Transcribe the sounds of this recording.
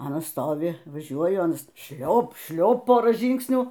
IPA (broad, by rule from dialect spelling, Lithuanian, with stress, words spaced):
ˈɑːnɐs ˈstoːʋʲɪ ʋɐˈʒʲuɔjʊ ˈɑːnɐs ˈʃʲlʲoːp ˈʃʲlʲoːp ˈpoːrɑː ˈʒʲiːŋksʲnʲuː